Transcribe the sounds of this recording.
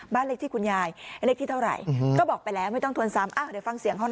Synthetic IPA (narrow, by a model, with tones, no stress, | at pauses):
baː˥˩nle˦˥k̪̚ʰiː˥˩kʰu˧njaː˧jle˦˥k̚t̪ʰiː˥˩t̪ʰɾa̰˨˩jkɔː˥˩bɔː˨˩k̚pa˧jlɛː˦˥wma˥˩jt̪ɔ˥˩ŋt̪ʰənsa˧˦˥mʔaː˧˩dɤ˨˩˦fa˧ŋsi˨˩əŋɦɔ˥˩n